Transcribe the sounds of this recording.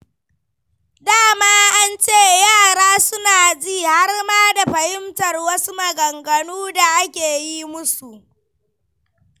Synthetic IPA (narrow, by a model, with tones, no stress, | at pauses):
daː˦˨maː˦ʔa˦nt͡ʃeː˦˨jaː˦˨ɽaː˦sʊ˦naː˨d͡ʒiː˦˨ha˦rmaː˦da˨ɸɐ˨hɪ˦mtɐ˨rwɐ˦su˦mɐ˨ɡɐ˨ŋɡɐ˨nuː˦da˨ʔa˦kʲeː˨ji˦mʊ˦su˨ʔ